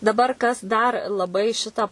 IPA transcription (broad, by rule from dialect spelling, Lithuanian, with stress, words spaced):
dɐˈbɐr kɐs dɐr lˠɐˈbɐɪ ˈʃʲɪtɑː